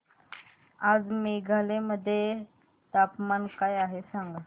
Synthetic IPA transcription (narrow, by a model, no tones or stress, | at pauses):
aːd͡zmeɡʱalẽməd̪ʱːje | t̪apmankaːjaɦesãŋɡa